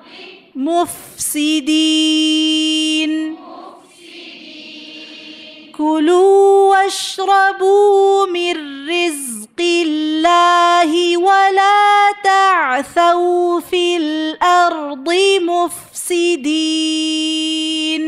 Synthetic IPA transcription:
mʊfsɪd̪i | n | kʊluːwaʃɾˤɑbuːmɪnːɪzqɪlːaːɦɪwalaːt̪aʕθaɾfilʔɑɾd̪ˤɪmʊfsɪd̪iː | n

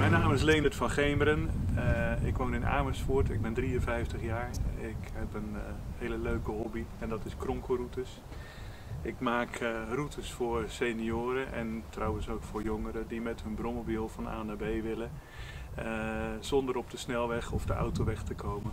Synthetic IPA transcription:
mɛjnaːmɪslejnətfɑnχejməɾən | ɪkʋownɪna̰ːməsfʊːtɪɡ̚bɛndriənvɛjftəχjaːɹɪkɦɛpənhejləløɥkəɦɔbiɛndɑtɪskrɔŋkorutəs | ʔɪkmaːkrutʰəsfʊːɹsenioːɾəʔɛntrawənsowkfʊːɹjoŋəɾədimɛtɦɵnbrɔmobilˠfɑna̰ːnabejʋɪlə | əz̥ɔndəɾɔb̚dəsnɛlˠʋɛχɔfdəʔa̰wtoʋɛxtəkʰowmə

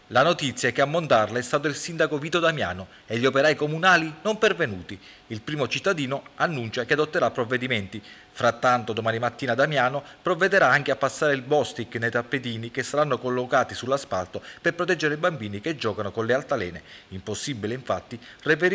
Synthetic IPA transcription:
lanot̪it̪sːjaɛkeamːont̪arlaɛst̪aːt̪oilsind̪akoviːt̪od̪amja̰ːno | eʎːiopeɾaːjkomunaːlinompervenuːt̪i | ilpɾiːmot͡ʃit̪ːad̪iːnoanːunt͡ʃakead̪ot̪ːeɾapːɾovːed̪iment̪i | fɾat̪ːant̪od̪omaːnimat̪ːiːnad̪amjaːnopɾovːed̪eɾaaŋk̟eapːasːaːɾeilbɔst̪ikːnejt̪apːet̪̬iːnikesːaɾanːokolːokaːt̪isulːaspalt̪operpɾot̪ɛd͡ʒːeɾeibambiːniked͡ʒːɔːkanokonlealt̪alɛ̰ːneimposːibileiɱfat̪ːirep̬eɾ

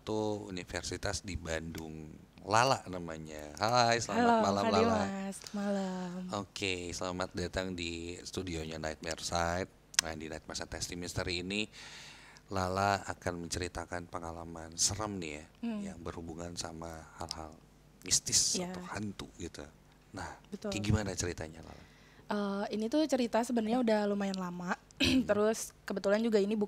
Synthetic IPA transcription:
t̪uṵnifərsit̪asdibandʊŋ | lalaʔnamaɲaɦaajslamamalalaamasmalamokʰesəlamat̪̚dat̪aŋdist̪udioɲanait̪̚mɛrsajt̪̚adinait̪̚masat̪ɛst̪iminst̪əɾiːni | lalaakanməɲt͡ʃəɾit̪akanpəŋalamansəɾəmnijajaŋbərhubuŋansamahalhal | mist̪ɪsaohant̪uɡit̪u | nahbət̪ʊɡimanat͡ʃəɾit̪aɲala̰la̰ | ʔəinit̪ut͡ʃəɾit̪asəbənarɲaudahlumajanlama | t̪əɾʊskəbət̪uland͡ʒuɡainibu

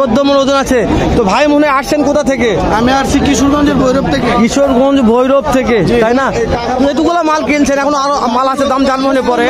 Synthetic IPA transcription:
od̪ːomoɾod͡ʑonat͡ɕʰet̪obʱajmoɦneaʈt͡ɕʰenkot̪ʰat̪ʰeke | amiaɾt͡ɕʰikiʃuɾɡʱɔnd͡ʑeɾbʱojɾob̚t̪ʰekekiʃoɾɡʱɔnd͡ʑbʱojɾob̚t̪ʰekeajna | et̪̬ukulamalkelt͡ɕʰenɛkʰonoaɾomalat͡ɕʰed̪amd͡ʑanmoɦnepɔɾe

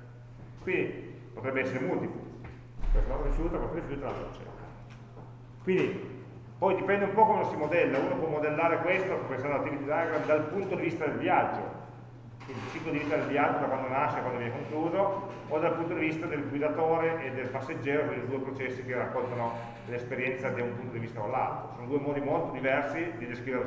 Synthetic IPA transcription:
kwind̪i | pot̪ɾɛbːeɛsːeɾemult̪iplṵ | kwest̪oɾifjuːt̪akwest̪oɾifjuːt̪alalt̪o̰t͡ʃɛ̰a | kwind̪i | pɔjd̪ipɛnd̪eumpɔkomeasimod̪ɛlːauːnopwɔmːod̪elːaːɾekwest̪ostapensand̪oat̪ːivit̪id̪aɡɾad̪d̪alpunt̪od̪ivist̪ad̪elvjad͡ʒːo̰ | kwind̪it͡ʃikolod̪ivist̪ad̪elvjad͡ʒːod̪akwand̪onaʃːekwand̪ovjɛnekoŋkluːzood̪alpunt̪od̪ivist̪ad̪elɡwid̪at̪oːɾeʔed̪ːelpasːed͡ʒːɛːɾopeɾid̪uːepɾot͡ʃɛsːikerːakːolt̪ano | lespeɾjɛnt̪sad̪iumpunt̪od̪ivist̪akolːa̰lt̪ɾosoːnod̪uemɔːd̪imolt̪od̪ivɛrsid̪id̪eskɾiveɾe

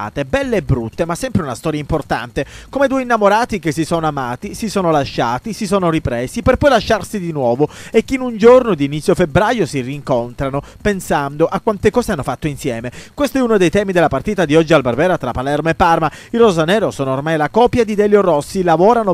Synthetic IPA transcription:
a̰ːt̪ebɛlːeːbɾut̪ːemasːɛmpɾeunast̪ɔːɾjaimport̪a̰nt̪ekomed̪uːinːamoɾaːt̪ikesːisɔːnoamaːt̪isisɔːnolaʃːaːt̪isisɔːnoripɾɛːsiperpɔjlaʃːarsid̪inwɔːvoekːeinund͡ʒornod̪iːnit̪sːjofebɾaːjosiriŋkont̪ɾano | pensand̪oʔakːwant̪ekɔːzeanːofat̪ːoinsjɛːmekwest̪oɛunod̪ejt̪ɛːmid̪elːapart̪iːt̪ad̪iɔd͡ʒːialbarvɛːɾat̪ɾapːalɛrmoepːarmairozanɛːɾosɔːnoormajlakɔpːjad̪id̪ɛljorːɔsːilavɔːɾano

